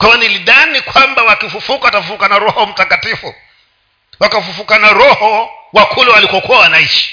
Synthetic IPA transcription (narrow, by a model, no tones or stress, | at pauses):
kwajɔniliðanikwambawakifufukawatafufukanaɾɔhɔm̩takatifu | wakafufukanaɾɔhɔwakʰulɛwalikɔkuwawanait͡ʃi̥